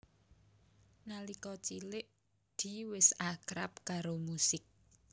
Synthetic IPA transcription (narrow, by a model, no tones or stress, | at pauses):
nalikɔt͡ʃilɪʔ | d̪̥i̤wɪsakɾap̚kaɾomusɪk̚